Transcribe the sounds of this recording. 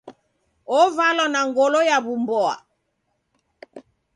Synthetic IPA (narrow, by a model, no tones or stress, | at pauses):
ɔvalɔnaŋɡɔlɔjaβumbɔa̰